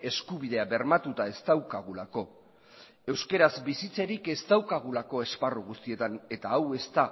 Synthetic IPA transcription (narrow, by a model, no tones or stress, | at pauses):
e̞skuβiðe̞aβe̞ɾmat̪ut̪ae̞st̪awkaɣ̞ulako̞ | e̞wske̞ɾazbisit͡se̞ɾike̞st̪awkaɣ̞ulako̞e̞sparuɣ̞ust̪ie̞t̪ane̞t̪aːwe̞st̪a